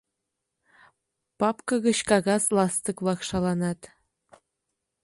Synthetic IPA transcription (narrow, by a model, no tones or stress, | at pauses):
pɑpkɤ̆ɣɤ̆ɕkɑɣɑslˠɑst̪ɤ̆kβlˠɑkʃɑlˠɑnɑt̪